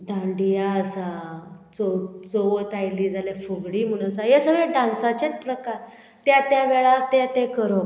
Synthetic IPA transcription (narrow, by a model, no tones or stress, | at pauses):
d̪ãɳɖijaəsat͡sot͡soʋət̪ajliːd͡zʱaljafuɡɽim̤uɽ̃əsajesəɡɭaɖãnsat͡ɕet͡spɾəkaɾ | t̪jat̪jaʋeɭat̪at̪ekəɾo